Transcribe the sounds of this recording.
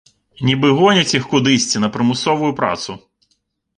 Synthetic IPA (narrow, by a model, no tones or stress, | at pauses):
nʲibɪɦɔnʲɐt͡sʲixkʊd̪ɪsʲt͡sʲinɐpɾɪmʊsɔʋʊjʊpɾa̰t̪sʊ